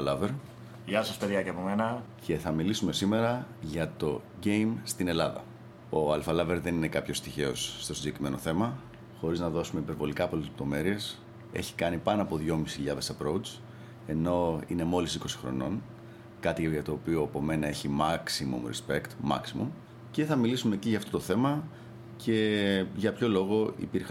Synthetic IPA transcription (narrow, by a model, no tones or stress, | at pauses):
lɐveɾ | ʝɐsɐspeɾiɐceɐpo̞menɐce̞θɐmilisume̞sime̞ɾɐʝɐt̪o̞ɟe̞jmst̪ine̞lɐðɐ̰ | o̞ɐlfɐlɐve̞ɾðe̞nine̞kɐpço̞st̪içe̞o̞sːt̪osind̪ekɾime̞no̞θe̞mɐ | xo̞ɾiznɐðo̞sumeipe̞ɾvo̞likɐːpolelep̚t̪o̞me̞ɾie̞s | e̞̰çi̥kɐnipɐnoɐpo̞ðʝo̞misiçiʎɐðe̞sɐpɾout͡s | e̞no̞ine̞mo̞lissi̥ko̞si̥xɾo̞̰no̞̰n | kɐt̪iʝɐt̪o̞ːpio̞ɐpo̞me̞nɐe̞çimɐksimṵmɾḛspe̞kt̪mɐ̰ksimṵm | ce̞θɐmilisumeciʝɐːft̪o̞t̪θe̞mɐ | cʰe̞ʝɐpço̞lo̞ɣo̞ḭpiɾx